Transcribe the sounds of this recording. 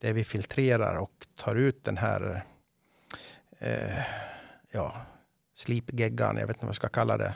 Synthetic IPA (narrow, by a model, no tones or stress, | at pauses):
d̪̥ɛvɪfɪlt̪ʰɾeːɾaɾɔkt̪ʰɑːɾʉ̟ːt̪̚d̪ɛnɦæ̰ːɾ | jɑː | sliːpɡɛɡa̰njʔɑ̰ɡʋeːt̪ːmskakʰalːad̪ɛ̰